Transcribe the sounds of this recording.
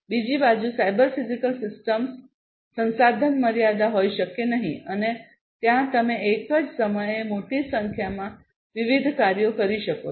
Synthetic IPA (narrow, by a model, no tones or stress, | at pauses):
bid͡ʑibad͡ʒusaibəɾfizikəlsisʈəmsː | ə̃ñsad̪ʱənməɾjad̪aɦoiʃəkenəɦḭ̃əne | t̪jãt̪əmẽʔekəd͡zsəməjemoʈisə̃ŋkʰjamã | ʋiʋid̪ʱkaɾjokəɾiʃəko